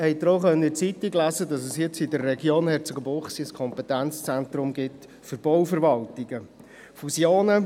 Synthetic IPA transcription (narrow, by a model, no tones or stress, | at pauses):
hɛɪd̪ɾoχœnːəɪt͡sitiɡlæzədɑs̬əsjɪt͡sidərːɛɡjoːnhɛɾt͡sɔɡəboχsiskʰɔmpɛt̪ænt͡st͡sænt̪ɾʊmɡɪt | fʏɾb̥ɔwfəɾʋɑltiɡ̥ə | fusjoːnə